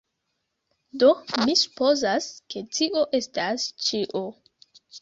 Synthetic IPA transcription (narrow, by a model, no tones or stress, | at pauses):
do̞misu̥po̞zaske̞tiʔo̞ʔe̞stast͡ʃiʔo